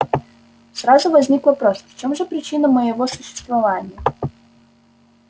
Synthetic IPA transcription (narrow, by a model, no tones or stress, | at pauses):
sɾazʊvɐzʲnʲikvɐpɾosft͡ɕomʐɨpɾʲɪt͡ɕinəməjɪvosʊɕːɪ̥st̪vɐvanʲɪjə